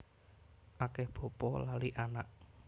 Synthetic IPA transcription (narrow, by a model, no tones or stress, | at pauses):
ʔakɛhb̥ɔ̤pɔlaliʔanaʔ